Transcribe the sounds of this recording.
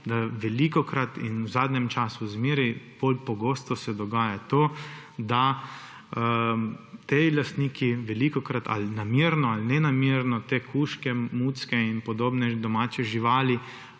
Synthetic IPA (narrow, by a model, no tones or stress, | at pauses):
d̪aʋɛlikɔkɾat̪inwzaːd̪nʲɛmt͡ʃaːsuzmeːɾipolpɔɡoːst̪ɔsɛd̪ɔɡaːjat̪oː | d̪a | t̪elast̪niːkʰiʋɛlikɔkɾat̪ʰa̰lnamiɾnɔalnɛnameɾnɔt̪eːkʰuːʃkɛmuːt̪skɛinpɔd̪oːbnɛd̪ɔmaːt͡ʃɛʒiʋaːli